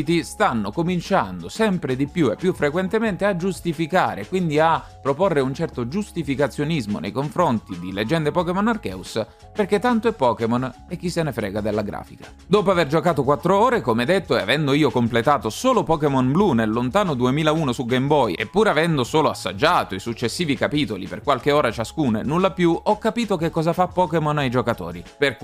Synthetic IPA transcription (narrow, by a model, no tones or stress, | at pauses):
it̪ist̪anːokomint͡ʃa̰nd̪osɛmpɾed̪ipjuepːjufɾekwent̪ement̪ead͡ʒust̪ifikaːɾḛkwind̪iapːɾoporːeunt͡ʃɛrt̪od͡ʒust̪ifikat̪sːjonizmo̰nḛjkoɱfɾont̪id̪iled͡ʒːɛnd̪epɔkemonːarkɛ̰ːus | perk̟ːet̪ːant̪oɛpːɔːkemon | ek̟ːisːenefɾɛ̰ːɡad̪elːaɡɾa̰ːfikḁ | d̪oːpoaverd͡ʒokaːt̪okwat̪ːɾooːɾekomɛd̪et̪ːoɛa̰vɛnd̪oiːokomplet̪aːt̪osoːlopɔːkemɔnblunelːont̪aːnod̪uemiːlauːnosuɡembɔjepːuːɾavɛnd̪osoːloasːa̰d͡ʒːaːt̪oisut͡ʃːesːiːvikapiːt̪olḭperkwalk̟eoːɾat͡ʃaskuːnḛnulːapjuɔkːapiːt̪okekːɔːzafapːɔːkemɔnajd͡ʒokat̪o̰ːɾiperk